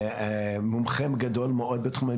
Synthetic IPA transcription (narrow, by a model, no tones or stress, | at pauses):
a | mumχemɡad̪olmeʔod̪̚bet̪χuma